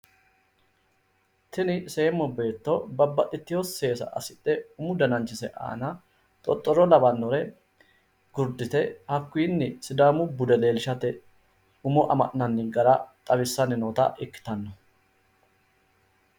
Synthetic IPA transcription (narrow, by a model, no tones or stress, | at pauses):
t̪ʰɪnɪseːmːɔbe̞ːt̪ːɔbɐbːɐt̪ʼːɪt̪ːɪjɔsːe̞ːsɐ̰ʔɐ̰sɪt̪ʼːɛʊmʊd̪ɐnɐnt͡ʃːɪsɛʔa̰ːnɐ | t̪ʼɔt̪ʼːɔɾɔlɐbɐnːɔɾɛ | ɡ̥ʊɾd̪ɪt̪ɛhɐkːʊiːnːɪsɪd̪aːmʊbʊd̪ɛle̞ːlɪʃɐt̪ɛ | ʊmɔʔɐ̰mɐ̰ʔnɐnːɪɡɐɾɐt̪ʼɐbɪsːɐnɪnoːt̪ɐ̰ʔɪkːɪ̥t̪ɐnːɔ